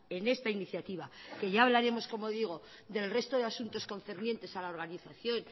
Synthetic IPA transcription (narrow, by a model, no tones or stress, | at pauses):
e̞ne̞st̪ainiθjat̪iβake̞ʝaːβ̞laɾe̞mo̞sko̞mo̞ðiɣ̞o̞ | d̪e̞lre̞st̪o̞ðeasunt̪o̞sko̞n̟θeɾnje̞nt̪e̞salao̞ɾɣaniθaθjo̞n